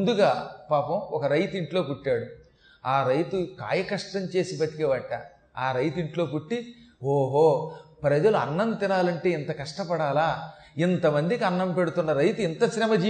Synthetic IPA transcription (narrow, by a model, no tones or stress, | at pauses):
mnd̪uɡaːpaːpɐmɔkɐɾɐjt̪iɳʈlo̞ːpuʈːaːɽu | aːɾɐjt̪uka̰ːjɐkɐʂʈɐɲt͡ʃe̞ːsipɐt̪i̥keʋɐʈːɐ̰ | aːɾɐjt̪iɳʈlo̞ːpuʈːioːɦoːpɾɐd͡ʒɐluɐnːɐnt̪inaːlɐɳʈe̞ːint̪ɐkɐʂʈɐpɐɽaːlaː | int̪ɐmɐnd̪ikiɐnːɐmpe̞ɽut̪unːɐɾɐjt̪uint̪ɐsɾɛmɐd͡ʒiː